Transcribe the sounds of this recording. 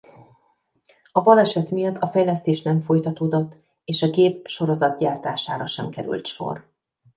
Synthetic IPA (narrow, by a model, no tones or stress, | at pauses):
ɒvɒlɛʃɛt̪mijɒt̪ːɒfɛjlɛst̪eːʃnɛɱfo̞jt̪ɒt̪oːd̪o̞t̪ː | eːʃɒɡeːp̚ʃo̞ɾo̞zɒt̪̚ɟaːrt̪aːʃa̰ːɾɒʃɛmkɛɾy̰lt̪ʃo̰r